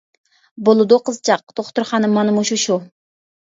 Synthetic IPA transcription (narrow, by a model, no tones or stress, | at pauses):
bolˠɨd̪ʊqəzt͡ʃʰɑq̚d̪̥oχt̪uɾχɑːnɨmɑnɨmuʃuʃu